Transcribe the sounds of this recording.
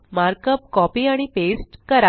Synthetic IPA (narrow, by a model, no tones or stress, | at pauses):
maɾkəp̚kɔpiaɽ̃ipesʈkəɾa